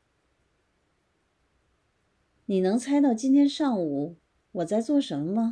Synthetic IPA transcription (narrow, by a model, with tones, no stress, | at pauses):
ni˨˩nɤ˧˥ŋt͡sʰa˥ɪt̪ɑ˥˩ʊt͡ɕi˥nt̪ʰjɛ˥nʂɑ˥˩ŋu˨˩˦ | wɔ˨˩t͡sa˥˧ɪt͡swɔ˥˩ʂə˧˥mə˧mə˧